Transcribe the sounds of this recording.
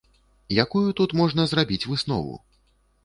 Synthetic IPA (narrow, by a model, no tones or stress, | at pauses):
jakujut̪ut̪mɔʐn̪ɐzɾabʲit͡sʲvɨsnɔ̰vṵ